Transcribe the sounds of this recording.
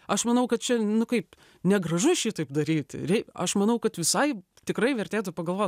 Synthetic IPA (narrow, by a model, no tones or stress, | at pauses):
ɐʃmɐnɐʊkɐt̪̚t͡ʃʲɛnʊkɐɪp | nʲɛɡrɐʒʊʃʲiːt̪ɐɪpd̪ɐɾʲiːt̪ʲrʲɛɪɐ̰ʃmɐnɐʊkɐt̪ʋʲɪsɐɪ | t̪ʲɪkɾɐɪʋʲɛrʲt̪ʲeːt̪ʊpɐɡɐlˠʋoː